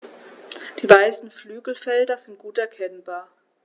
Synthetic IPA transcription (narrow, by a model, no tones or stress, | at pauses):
d̥iːvaɪsn̩flyːɡl̩fɛldɐzɪnt̚ɡ̥uːtɛɐkʰɛnbaːɐ